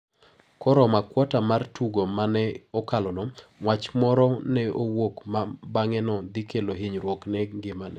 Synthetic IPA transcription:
kɔɾɔmakwɔtamartuɡomanɛɔkalɔnɔŋwat͡ʃmɔɾɔnɛowokmabaŋɛnɔd̪ikeloɦiɲɾwoknɛɡɪmanɛ

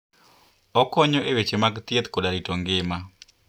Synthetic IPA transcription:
ɔkɔɲɔʔewet͡ʃemaɡt̪jet̪kodaɾitoŋɡɪma

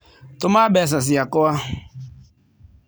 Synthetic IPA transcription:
tʊmabɛs̬as̬ɪjakɔa

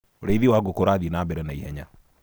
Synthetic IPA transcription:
oɾeiðiwaɡokoɾaðinaːbɛɾɛnaihɛɲa

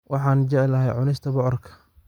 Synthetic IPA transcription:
wʔɑħɑːnd͡ʒɛʕɪlɐɦɛjʕʊnɪst̪ʰɐbɔʕɔrkʰɐ̥

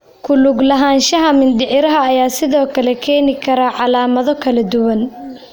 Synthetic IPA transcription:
kʰʊlʊɡlɐɦaːnʃɐɦɐmɪnɖɪʕɪɾɐɦɐːjaːsɪðɔːkʰɐlɛkʰɛːnɪkʰɐɾɐʕɑlaːmɐðɔkʰɐlɐd̪ʊwɐn

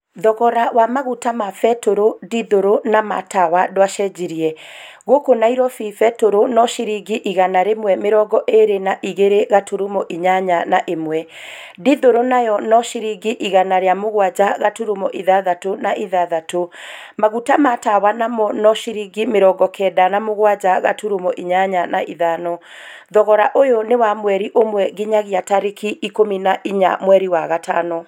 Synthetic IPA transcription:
ðɔɣɔɾawamaɣutamafɛtoɾodiðoɾonama̰tawadwaʃɛd͡ʑiɾiɛɣokonaiɾɔfifɛtoɾonɔʃiɾiɡiʔiɣanaɾemwɛmeɾɔɡɔʔeɾenaʔiɣeɾeɣatʰoɾumɔʔiɲaɲanaʔemwɛ | diðoɾonajɔnɔʃiɾiɡiʔiɣanaɾeamoɣwad͡ʑaɣatuɾumɔʔiðaðatonaʔiðaðatomaɣutamatawanamɔnɔʃiɾiɡimeɾɔɡɔkʰɛdanamoɣwad͡ʒaɣa̰tuɾumɔʔiɲaɲana̰ʔiðanɔ | ðɔɣɔɾaʔojonewamwɛɾiʔomwɛɣiɲaɣiataɾekiikominaʔiɲa̰mwɛɾiwaɣatanɔ

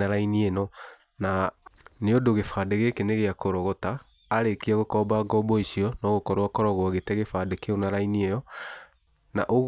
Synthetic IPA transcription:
aɾainienɔ | naneodoɣefadeɣekeneɣeakoɾɔɣɔtaː | ɾekiaɣokɔbaɡɔbɔisiɔnɔɣokɔɾwakɔɾɔɣwaɣetɛɣefadekeonaɾainiɛjɔ | na̰ʔoɣ

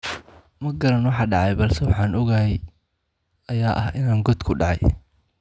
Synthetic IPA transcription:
mɐɡɐɾɐnwɑħɑːɖɑʕɑjbɐlsɛwɑħɑːnɔɣɐhɛj | ɐjaːʔɐhʔɪnaːŋɡɔd̪kʰʊɖɑʕɑ̰j

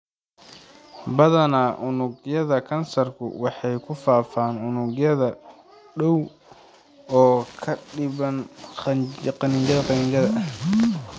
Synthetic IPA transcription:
bɐðɐnaːʔʊnʊɡjɐðɐkʰɐnsɐrkʰʊ̰wɑħɑjkʰʊfaːfaːnʊnʊɡjɐðɐ | ɖɔw | ɔːkʰɐɖɪβɐn | qɑnɪŋt͡ʃɐðɐqɑnɪŋɡɐðɐ

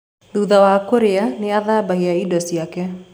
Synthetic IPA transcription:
ðuːðawakoɾeaneaðaːbaɦiaidɔsiakɛ

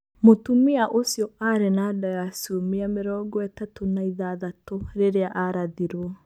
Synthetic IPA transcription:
motumiaʔosjɔaɾenadajasuomiameɾɔɡɔɛtatonaiðaðatoɾeɾeaʔaɾaðiɾwɔ

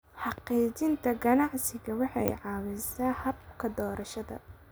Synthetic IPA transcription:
ħɑqiːt͡ʃɪnt̪ʰɐɡɐnɑʕsɪɣɐwɑħɑjʕɑːwɛsaːhɐb̚kʰɐd̪ɔːɾɐʃɐðɐ̰

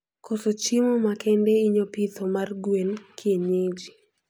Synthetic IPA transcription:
kɔsot͡ʃimɔmakɛndɛiɲopit̪omarɡwenkʰjeɲed͡ʒi

